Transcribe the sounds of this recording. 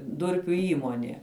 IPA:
ˈdʊrʲpʲʊ ˈiːmoːnʲeː

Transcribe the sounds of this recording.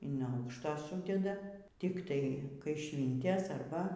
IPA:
ɪn ˈɐʊkʃtoː ˈsuːdʲɛdɐ tʲɪkˈtɐɪ kɐɪˈʃʲʋʲiːnʲtʲɛs ˈɐrbɐ

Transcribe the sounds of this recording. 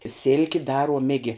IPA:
ˈsʲɪlʲkʲɪ ˈdɑːruɔm ˈɪɡʲɪ

